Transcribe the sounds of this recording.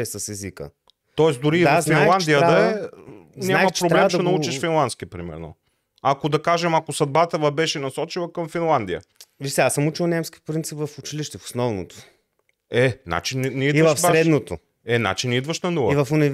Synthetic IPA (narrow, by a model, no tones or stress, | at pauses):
ɛsɐsɛzikə̰ | t̪ɔɛsd̪ʊɾivafinˠand̪ijəd̪ɐɛ | nʲaamɐt͡ʃpɾob̪ɾlɛmʃɛnɐut͡ʃiʃfinlˠant̪skʲipɾimɛ̰ɾno̰ | akod̪ɐkaʒɛmɐkosɐd̪̚bat̪əvɐbɛʃɛnɐsɔt͡ʃilˠɐkɐmfinlˠand̪ijə̰visɛasəmut͡ʃilˠnɛmskʲipɾint̪sipvɐfʊt͡ʃiliʃt̪ɛfo̥snɔvno̰t̪o̥ | ɛna̰t͡ʃinnɛidiʃfbaɾʃɛd̪not̪o | ɛna̰t͡ʃinid̪vəʃnɐnuvˠivɐfʊnɛ